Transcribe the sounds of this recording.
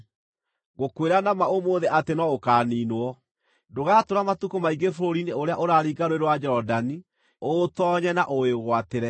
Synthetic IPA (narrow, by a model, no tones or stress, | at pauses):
ɣokweɾanamaomoːðeʔatenɔokaːniːnwɔ | doɣaːtoɾamatukomaiɡefoɾoɾineoɾeaʔoɾaːɾiːɡaɾweɾwad͡ʒɛɾɔdani | otɔɲɛnaʔoeɣwateɾɛ